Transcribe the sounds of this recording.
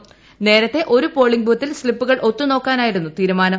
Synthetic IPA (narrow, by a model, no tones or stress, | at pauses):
ne̞ːɾɐt̪ːe̞ʔo̞ɾupo̞ːɭiŋɡbʱuːt̪ːilslipːuɣɐɭʔo̞t̪ːuno̞ːkːaːnaːjiɽunːut̪iːɾumaːnɐ